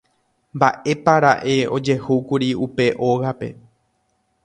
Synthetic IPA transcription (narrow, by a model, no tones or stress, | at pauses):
mba̰ʔe̞paɾaʔe̞o̞d͡ʒe̞hukuɾiupe̞ʔo̞ɣape̞̰